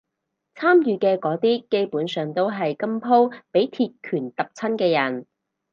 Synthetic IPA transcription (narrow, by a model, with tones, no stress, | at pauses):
t͡sʰaː˥mjyː˨kɛː˧kɔː˨˥t̪iː˥ke˥jpuː˨˥nsœː˨ŋt̪o˥wɦɐ˨jkɐ˥mpʰo˥wpe˨˥jt̪ʰiː˨˧t̚kʰyː˨˩nt̪ɐ˨p̚t͡sʰɐ˥nkɛː˧jɐ˨˩n